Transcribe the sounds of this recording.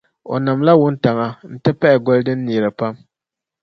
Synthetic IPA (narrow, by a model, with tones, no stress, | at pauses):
o̰˨na˨mla˦wʊ˦nta˨ŋa˨n̩˦tɨ˦pɛ˦ʔɪ˨ɡɔ˦ldɨ˦nː˦iː˨ɾɨ˨pa˦m